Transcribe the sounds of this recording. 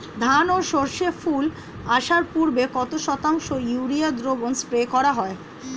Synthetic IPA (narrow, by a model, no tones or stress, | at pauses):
d̪ʱanoʃoɾʃeful | aʃaɾpuɾbekɔt̪oʃɔt̪aŋʃojuɾiad̪ɾobonspɾekɔɾaɦɔe